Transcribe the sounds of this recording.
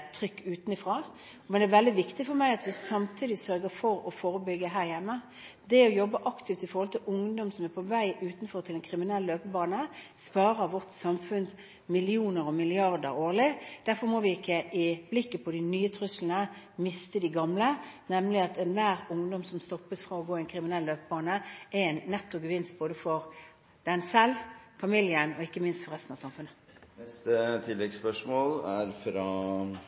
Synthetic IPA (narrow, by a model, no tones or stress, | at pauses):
t̪ʰɾʏkːʉːt̪nɪfʁɑː | mɛnæʋɛld̪ɪʋɪkt̪ɪfɔɾmæɪɑt̪ʋɪsɑmt̪ʰiːd̪ɪsœɾɡəfɔɾɔfoːɾəbʏɡːəɦæːɾjɛmːə | d̪ɛɔjɔbːəʔɑkt̪ʰɪft̪ɪfɔɾʁhɔlt̪ʰɪlʔʊŋd̪ɔmsɔmæɾpʰɔʋæɪʔʉːt̪n̩fɔɾt̪ʰɪlɛnkʰɾɪmɪnɛlːəløːpəbɑːnəspɑːɾəʋɔt̪sɑmfʉns | mɪlɪuːnəɾɔmɪlɪɑʁd̪ə̰ɾoːʁlɪd̪̥æɾfɔɾmɔʋɪɪkːəʔɪb̥lɪkːəpʰɔd̪ɪnyːət̪ʰɾʉslənəmɪst̪əd̪ɪɡɑmlənɛmlɪɑt̪ɛnʋæːɾʊŋd̪ɔmsɔmst̪ɔpːəsfɾɑɔɡoːɛnkʰɾɪmɪnɛlːøːpəbɑːnəʔɛɛnnːɛt̪ːɔɡəʋɪnst̪̚boːd̪əfɔɾ | d̪̥ɛnsɛlfɑmɪljənɔɪkːəmɪnst̪fɔɾʁɛst̪n̩ɑsɑmfʉnːə | nɛst̪ət̪ʰɪlːɛɡspœʂmoːlæɾfɾɑː